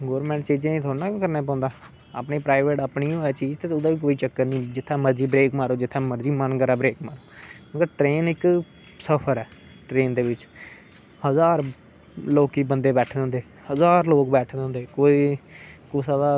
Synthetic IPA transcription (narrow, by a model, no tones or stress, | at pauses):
ɡoːɾmɛ̃ːɳʈt͡ʃiːd͡ʒenĩːt̪ʰoːnãːkəɾneːp̬ɔ̃ːnd̪aː | a̰ːpniːpɾaːɪʋeːʈaːpɳiːoːɛːt͡ʃiːd͡ʒt̪eːʊd̪ãːʋiːk̬oːiːt͡ʃəkːəɾnĩːd͡ʒɪt̪ʰːãːməɾd͡ʒiːbɾeːkmaːɾoːd͡ʒɪt̪ʰːãːməɾziːmənkəɾaːbɾeːkmaːɾoːməɡəɾʈɾeːnɪk | səpʰəɾɛː | ʈɾeːnd̪eːʋɪt͡ʃ | həzaːɾ | loːkiːbənd̪eːbɛːʈʰd̪eːɦʊ̃nd̪eː | həzaːɾloːkbɛːʈʰd̪ẽːnd̪eːkoːiːkosaːd̪aː